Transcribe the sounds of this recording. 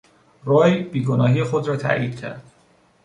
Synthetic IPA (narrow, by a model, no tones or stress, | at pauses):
roːjbiːɡonɒːɦiːjexod̪ɾɒːt̪ʰæ̰ʔjiːd̪̥cʰæ̰ɾd̪̥